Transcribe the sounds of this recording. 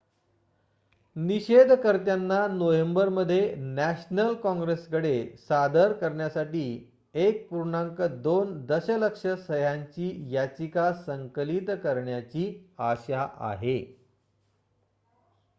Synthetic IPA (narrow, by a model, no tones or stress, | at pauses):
niɕed̪ʱkəɾt̪janːanoʋembəɾməd̪ʱːjenæɕnəlkɔ̃ŋɡɾesɡəɽesad̪əɾkəɾɳjasaʈiː | ek̚puɾɳaŋkəd̪ond̪əɕələkʂəsəjaɲt͡ɕiːjat͡ɕikasəŋkəlit̪kəɾɳjat͡ɕiːaɕaʔa̰ɦe